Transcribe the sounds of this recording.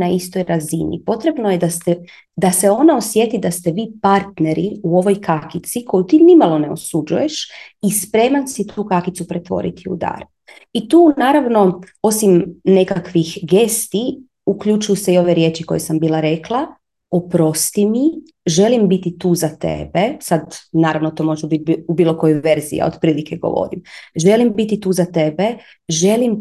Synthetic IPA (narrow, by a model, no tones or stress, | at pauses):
naist̪o̞jɾazḭnḭpo̞t̪ɾe̞bnoje̞d̪ast̪e | d̪aseo̞naosje̞t̪id̪ast̪eʋiːpaɾt̪ne̞ɾiuo̞ʋo̞jkakit̪sikʰo̞jut̪iːnimalˠo̞ne̞o̞̰sud͡ʒuje̞ʃispɾe̞ːmansit̪ʰuːkakit̪supɾet̪ʋo̞̰ɾḭt̪ʰiṵd̪a̰ːɾ | it̪uːnaːɾaʋno̞o̞simne̞kakʋixɡest̪i | ukʎut͡ʃujuseio̞ʋe̞ɾjeːt͡ʃiko̞̰jesambiːlˠaɾe̞klˠa | opɾo̞st̪imi | ʒe̞limbit̪it̪uːzat̪ḛbesad̪naːɾaʋnot̪oːmo̞ʒɛbit̪̚bubiːlˠo̞ko̞joʋe̞ɾzḭja̰o̰d̪pɾiːlikʰeɡo̰ʋo̰ɾḭmʒe̞limbit̪it̪uːzat̪e̞be | ʒe̞lim